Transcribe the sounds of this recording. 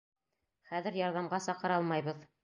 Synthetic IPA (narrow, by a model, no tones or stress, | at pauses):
χæðɘɾjɑɾðɑmʁɑsɑqɤ̆ɾɑlˠmɑjβɤð